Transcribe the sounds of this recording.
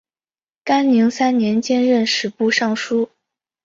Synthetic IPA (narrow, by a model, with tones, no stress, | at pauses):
ka˥nni˧˥ŋsa˥nnjɛ˧˥nt͡ɕjɛ˥nɻə˥˩nʂɻ̩˨˧˥pu˥˧ʂɑ˥˩ŋʂu˥